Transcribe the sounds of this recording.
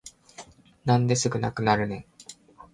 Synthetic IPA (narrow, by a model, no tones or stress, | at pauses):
nãnd̪e̞sɨɡɯ̟na̰kɯ̟naɾɯ̟nẽ̞ŋ